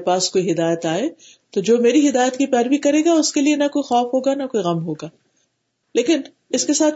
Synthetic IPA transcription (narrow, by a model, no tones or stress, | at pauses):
paːskoːiɦɪd̪aːjət̪aːe | t̪od͡ʒoːmeːɾiɦɪd̪aːjət̪kipɛːɾʋikɐɾeːɡaʊskelienɐkoːixɔːfɦoːɡanɐkoːiɣɐmɦoːɡaː | leːkɪn | ɪskesaːt̪